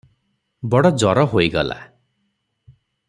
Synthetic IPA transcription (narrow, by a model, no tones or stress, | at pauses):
bɔɽɔd͡ʒɔɾɔɦoiɡɔla̰